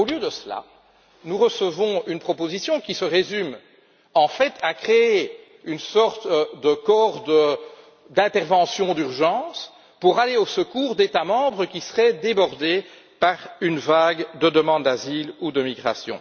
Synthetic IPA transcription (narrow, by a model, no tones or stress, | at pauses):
oljød̪əsəla̰ | nuʁəsəvɔ̃ynpχɔpozisjɔ̃kʲisəʁezym | ɑ̃fɛt̪ʰakχee | ynsɔʁt̪d̪əkɔʁd̪ə | d̪ɛ̃t̪ɛʁvɑ̃sjɔ̃d̪yʁʒɑ̃ːs | puʁaleosəkuːʁd̪et̪amɑ̃ːbʁəkʲisəʁɛd̪ebɔʁd̪e | paʁynvaɡd̪əd̪əmɑ̃d̪̚d̪azilud̪əmiɡʁa̰sjɔ̰̃